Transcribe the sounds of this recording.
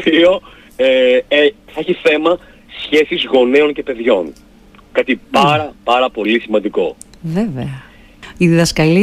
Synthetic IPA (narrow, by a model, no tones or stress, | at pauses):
p̪io̞ | eeθɐeçiθe̞mɐ | sçe̞sizɣo̞neo̞nce̞pe̞ðʝo̞n | kɐt̪ipɐɾɐpɐɾɐpo̞lisimɐnd̪iko̞̰veveɐ | iðiðɐskɐli